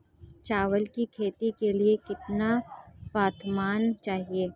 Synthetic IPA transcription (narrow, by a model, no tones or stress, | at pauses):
t͡ʃaːʋəlkikʰeːt̪ikeliekɪt̪napaːt̪ʰmaːnt͡ʃaːɦieː